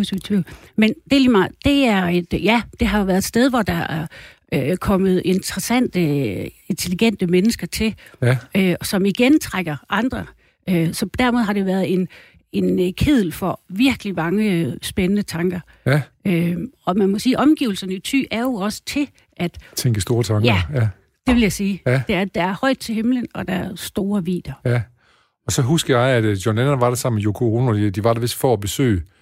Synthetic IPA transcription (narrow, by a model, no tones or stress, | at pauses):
usi̥t͡sʰʋḭʊ̰lmend̥e̝limɑ̈ɪd̥e̝æɐe̝d̥jæd̥e̝ɦɑ̈o̝ʋæɐðˠed̥sd̥eð̞ˠʋɒd̥ɑ̈ʔæɐ | økʰɒ̽m̰əð̞̩ˠe̝nd̥ʰʁɐsæn̰d̥əe̝nt͡sʰe̝liɡ̥en̰d̥əmenəsɡ̥ɐt͡sʰe̝løsɒ̽miɡ̥ent͡sʰʁaɡ̥ɐʔɑ̈nd̥ʁɐ | ʔøsɒ̽d̥æɐ̰me̝ð̞ˠɦɑ̈ɾ̥eʋæɐðˠe̝n | e̝nkʰeð̰ˠl̩fɒ̽ʋiɐɡ̥əlimɑ̈ŋəsb̥enənət͡sʰɑ̈ŋɡ̥ɐ | øɒ̽mænmɒ̽siːʔɒ̽mɡ̥ḭʊl̩sɐnəit͡sʰy̰ːæɐjo̝ɒ̽sə̥t͡sʰe̝l | ʔæd̥t͡sʰeŋɡ̥əsd̥o̝ːɐt͡sʰɑ̈ŋɡjæɐæ | d̥e̝ʋeljasiːd̥e̝æɐd̥ææɐhɒ̽ɪd̥̚t͡sʰe̝lhemlənɒ̽d̥ɑæɐsd̥o̝ːɐʋḭːd̥ɐ | ɒ̽sɒ̽ɦusɡ̥əjɑ̈ɪæd̥jɒnænʋɑ̈ɾ̥esɑ̈m̰mejokʰooːnɐ̥d̥iʋɑ̈ɾ̥ɑʋe̝sd̥fɒæb̥e̝sø̰ː